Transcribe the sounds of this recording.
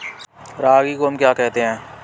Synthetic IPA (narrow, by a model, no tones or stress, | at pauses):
ɾaːɡiːkoɦəmkjaːkɛɦt̪eɦɛ̃ː